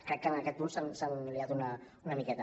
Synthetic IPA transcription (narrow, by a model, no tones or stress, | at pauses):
kɾɛk̚t̪aŋakɛusaŋsaŋəliat̪una | unamikɛt̪a